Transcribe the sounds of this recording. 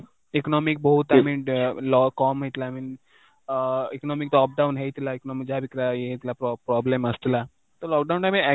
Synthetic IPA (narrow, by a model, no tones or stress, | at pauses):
eknɔːmik̚bɔɦut̪amilɔkɔːmɦet̪ilamin | eknɔːmikt̪ɔːp̚ɖawnɦet̪ilaiknɔːmik̚d͡ʒabikɾaeet̪ilaɾpɾɔːblemɐst̪ila | t̪olɔːk̚ɖawɳʈãmeɛ